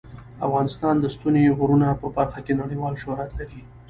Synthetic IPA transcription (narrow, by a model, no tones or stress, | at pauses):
afɣɑnɪst̪ɑnd̪əst̪uneɣuɾunapəbaɾxakenaɽejwɑlʃʊhɾat̪laɾi